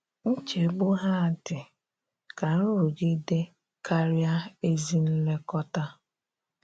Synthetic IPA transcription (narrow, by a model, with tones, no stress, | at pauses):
n̩˦t͡ʃe˨bʊ˦ɦa˦a˨tɪ˨ | ka˨n̩˦ɾu˨ɡɪ˦de˦ | ka˦ɾja˦e˦zi˦n̩˦le˦kɔ˦ta˦